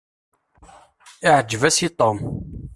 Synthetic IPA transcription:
ɪʕəd͡ʒːəvæsit̪ˤom

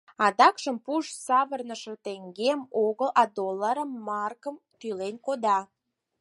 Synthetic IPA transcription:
ɑd̪ɑkʃəmpuʃsɑβərnəʃet̪eŋɡemoɣəlɑd̪olːəɾəmːɑrkəm | t̪ylenkod̪ɑ

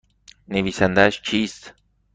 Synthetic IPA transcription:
neβisand̪aʃt͡ʃist̪

